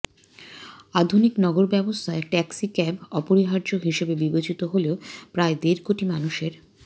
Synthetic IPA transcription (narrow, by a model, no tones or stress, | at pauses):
ad̪ʱuniknɔɡoɾbɛbost̪ʰaeʈɛksikɛbɔpoɾiɦaɾd͡ʑoɦiʃebebibet͡ɕit̪oɦoleopɾaed̪eɾkoʈimanuʃeɾ